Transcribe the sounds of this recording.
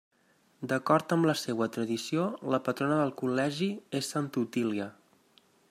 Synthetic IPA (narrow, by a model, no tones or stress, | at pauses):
d̪əkɔɾt̪əmləseβwət̪ɾəðisioləpət̪ɾonəðəlˠkulɛʒiesːant̪ut̪iliə